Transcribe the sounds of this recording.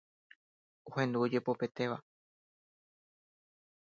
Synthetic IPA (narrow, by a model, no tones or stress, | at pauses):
uhẽ̞nd̪uod͡ʒe̞pope̞t̪e̞ʋa